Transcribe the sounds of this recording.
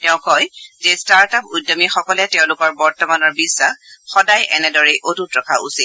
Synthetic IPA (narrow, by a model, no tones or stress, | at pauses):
tɛʊ̃kɔjzestaɹtapujdːɔmixɔkɔlɛtɛʊ̃lʊkɔɹbɔɹtɔmanɔɹbisːaxxɔdajʔɛnɛdɔɹeʔotutɹɔkʰaʔṵsit